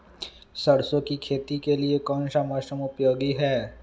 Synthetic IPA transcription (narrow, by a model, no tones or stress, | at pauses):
sɐɽsõkikʰeːt̪ikeliekɔːnʃamɔːʃəmʊpjoːɡiɦɛː